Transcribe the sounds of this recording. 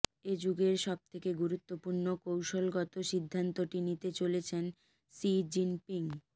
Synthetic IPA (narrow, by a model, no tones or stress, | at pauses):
ed͡ʑuɡeɾʃɔb̚t̪ʰekeɡuɾut̪ːopuɾnokowʃolɡɔt̪oʃid̪ʱːant̪oʈinit̪et͡ɕolet͡ɕʰen | sid͡ʑinpiŋ